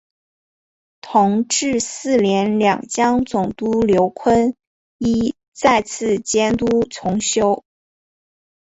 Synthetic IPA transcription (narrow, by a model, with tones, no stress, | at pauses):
t̪ʰʊ˧˥ŋʈ͡ʂɻ̩˥˧sɹ̩˥˩ljɛ˧˥nljɑ̰˨˩ŋt͡ɕjɑ˥ŋt͡sʊ˨˩ŋt̪u˥ljo˧˥ʊkʰwə˥n | i˥ | t͡sa˥˧ɪt͡sʰɹ̩˥˩t͡ɕjɛ˥nt̪u˥t͡sʰʊ˧˥ŋɕjo˥ʊ